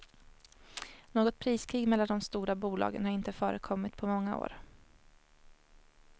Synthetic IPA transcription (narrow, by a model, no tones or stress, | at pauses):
noːɡɔt̪̚pʰɾiːskʰɾiːɡmɛlːand̪ɔmst̪uːɾabuːlɑ̰ːɡə̰nhaɾɪnt̪əfœːɾəkʰɔmːɪt̪pʰɔmɔŋːao̰ːɾ